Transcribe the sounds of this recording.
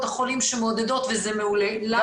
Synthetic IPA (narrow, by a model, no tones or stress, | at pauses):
t̪aχolimʃemeod̪ed̪o̞t̪vezemeulela